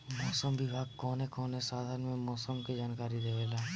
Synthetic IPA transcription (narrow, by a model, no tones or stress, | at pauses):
mɔːsəmʋɪbʱaːɡ̚kɔːnekɔːnesaːd̪ʱaɾənmẽmɔːsəmked͡ʒaːnkaːɾid̪eʋeːlaː